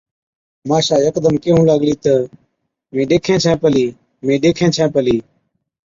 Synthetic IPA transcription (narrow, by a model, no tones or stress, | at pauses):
maːʃaːjəkd̪əmkeːɦũːlaːɠliːt̪ə | mẽːɗeːkʰẽːt͡ʃʰɛ̃ːpəliː | mẽːɗeːkʰẽːt͡ʃʰɛ̃ːpəliː